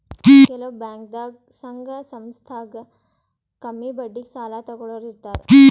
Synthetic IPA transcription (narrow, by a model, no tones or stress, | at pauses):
kɛlɐbaːŋk̚d̪a | sɐŋɡɐsɐmst̪ʰaːɡɐ | kɐmːibɐɖːiksaːlaːt̪ɐɡɔɭoɾit̪ːaːɾe